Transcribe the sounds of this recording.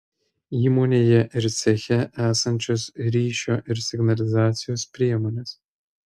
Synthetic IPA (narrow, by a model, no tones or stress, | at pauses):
iːmonʲeːjɛʔɪɾsʲɛxʲɛʔæːsɐnʲt͡ʃʰʲoːsɾʲiːʃʲoʔɪrsʲɪɡnɐlʲɪzaːt̪sʲɪjoːspʲɾʲiɛmoːnʲɛs